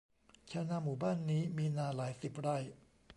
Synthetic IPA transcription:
t͡ɕʰa˧˥naː˧muː˨˩baː˥˩˨nːiː˦˥miː˧naː˧laː˩˦jsi˨˩p̚ɾa˧j

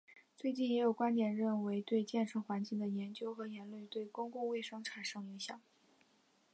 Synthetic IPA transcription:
t͡swe˥˧ɪt͡ɕi˥˩njɛ˧˥jo˨˩kwa˥nt̪jɛ˨˩nɻə˥˩nwe˧˥ɪt̪we˥˧ɪt͡ɕjɛ˥˧nʂʰɤ˥˩xwa˧˥nt͡ɕi˥˩ŋd̪ə˩jɛ˧˥nt͡ɕjo˥ʊxɤ˧˥jɛ˧˥nlwe˥˩˧t̪we˥˩ɪkʊ˥ŋkʊ˥˧ŋwe˥˩ɪʂɤ˥ŋʈ͡ʂʰa˨˩nʂɤ˥˧ŋi˧˥ŋɕjɑ˨˩˦ŋ

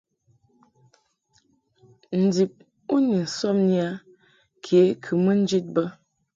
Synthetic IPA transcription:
n̩˨di˨p̚ | u˦ni˨n̩˨sɔ˦mni˦a˦ | kʰe˨˦kʰɨ˨mə˦n̩˦d͡ʒi˦t̚bə˦

